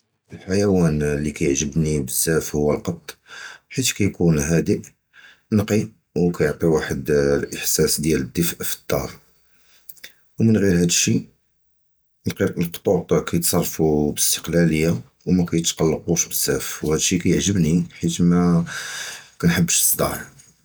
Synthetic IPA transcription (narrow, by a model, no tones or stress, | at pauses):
ʔəlħajæwænlːikæjəʕʒəbnibəzːæfhʊwːəlqɑt̪ˤːħit̪kæjkunɦæd̪iʔ | nqi | wkæjəʕt̪ˤiwaħəd̪lʔəħsæsd̪jæləd̪ːəfʕfi̥t̪ˤːɑɾˤ | wmənɣiɾhæd̪əʃːi | lqt̪ˤːut̪ˤkæjət̪sˤɑrˤːfubəst̪ə̥qlæləjːa | wmækæjət̪qɑlːəquʃbəz̥ːæfwhæd̪əʃːikæjəʕʒəbniħit̪mæ | kænħəbːəʃsˤd̪ˤɑ̰ʕ